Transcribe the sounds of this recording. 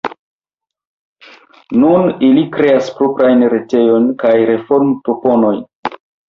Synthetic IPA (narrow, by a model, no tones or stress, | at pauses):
nunilikɾe̞aspɾopɾajnɾe̞te̞jo̞nkajɾe̞fo̞ɾmpɾopo̞no̞jn